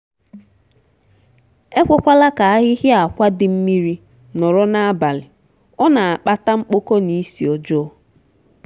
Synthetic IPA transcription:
e˦kʷe˦kʷa˦la˦ka˨a˦ɣɪ˦ɦɪ˦a˨kʷa˦dɪ˨m̩˦mi˦ɾi˦ | nɔ˨ɾɔ˦na˦a˦ba˨lɪ˨ | ɔ˦na˨a˨k͡pa˦ta˦ŋ͡m̩˦k͡po˦ko˦ni˦si˨o˨d͡ʒo˦

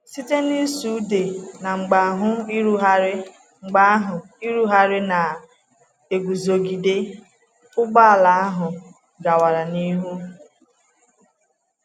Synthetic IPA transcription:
si˦te˦ni˦su˨˦de˨na˨ŋ͡m̩˨ɡ͡ba˨ɦʊ˦i˦ɾu˦ɦa˦ɾɪ˦ | ŋ͡m̩˨ɡ͡ba˦ɦʊ˨ | i˦ɾu˦ɦa˦ɾɪ˦na˨ | e˨ɡʷu˨zo˨ɡi˨de˦ | ʊ˦ɡ͡ba˦a˨la˨a˦ɦʊ˨ | ɡa˨wa˨ɾa˨ni˦ɦu˦

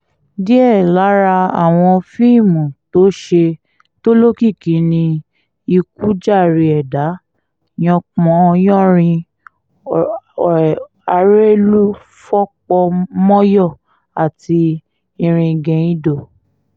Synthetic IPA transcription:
di˦ɛ˦˨la˨˦ɾa˧a˨w̃ɔ̃˧fi˦i˦˨mũ˨to˨˦ʃe˧ | to˦lo˦ki˦˨ki˨˦nĩ˧ | i˧k̚u˦d͡ʒa˦˨ɾi˧ɛ˨da˨˦ | j̃ɔ̃˧k͡pɔ̃˨˦˧jɔ̃˦˨ɾ̃ĩ˧ | a˧ɾe˦lu˦ | fɔ˦k͡pɔ˧mɔ̃˦jɔ˦˨ | a˨ti˧ | ĩ˧ɾ̃ĩ˧ɡɛ̃˧i˦do˦˨

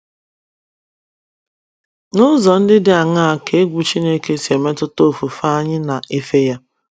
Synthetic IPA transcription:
nʊ˦zɔ˨n̩˦dɪ˦dɪ˦a˨ŋa˦a˨ke˨˦ɡʷu˨t͡ʃi˦ne˦ke˦sje˨me˦tʊ˦to˦˨fu˨fa˦a˦ɲɪ˦na˨ʔe˦fe˦ja˦

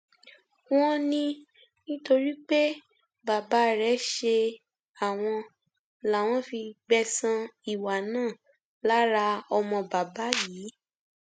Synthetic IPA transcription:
w̃ɔ̃˦nĩ˧ | nĩ˦to˧ɾi˦k͡pe˦ | ba˨ba˨˦ɾɛ˨˦ʃe˧ | a˨w̃ɔ̃˧ | la˨w̃ɔ̃˧fi˧ɡ͡bɛ˧sã˧i˨wa˨nãː˦˨ | la˨˦ɾa˧ɔ˧mɔ̃˧ba˨ba˨˦jiː˨˦

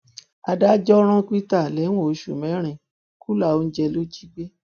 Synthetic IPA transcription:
a˨da˦d͡ʒɔ˦ɾ̃ã˧ki˦ta˦˨lɛ˨˦w̃õ˦˨o˧ʃṵ˨mɛ̃˨˦ɾ̃ĩ˧˨ | ku˦la˦˨o˧n̩˦d͡ʒɛ˧lo˦d͡ʒi˦ɡ͡be˦

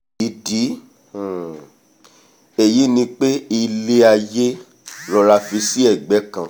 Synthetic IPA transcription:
i˨di˨˦˨ | e˨ji˨˦nĩ˧k͡pe˦i˧le˦a˧je˦ | lɔ˦˧ɾa˧fi˧si˦ɛ˦˨ɡ͡bɛ˨˦kã˨

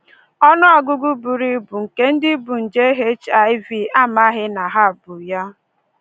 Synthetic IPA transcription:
ɔ˦nʊ˦a˨ɡʊ˦ɡu˦bu˨ɾi˦bu˨ŋ̩˨ke˦n̩˦dɪ˦bu˨n̩˨d͡ʒe˦ɦe˦t͡ʃa˨ɪ˦vi˨a˦ma˦ɦɪ˦na˨ɦa˦a˨bʊ˨ja˦

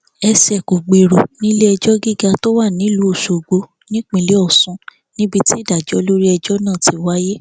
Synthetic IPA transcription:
ɛ˧sɛ˨ko˨ɡ͡be˨ɾo˨nĩ˦le˦ɛ˧d͡ʒɔ˦ɡi˦˨ɡa˧to˦wa˦˨nĩ˨˦lu˨˦o˦˨ʃo˨ɡ͡bo˨˦ | nĩ˦k͡pĩ˧˨le˦ɔ˦˨sũ˨˦ | nĩ˦bi˧ti˦˨da˨d͡ʒɔ˨˦˧lo˦ɾi˦ɛ˧d͡ʒɔ˦nã˦˨ti˧˦wa˦je˦

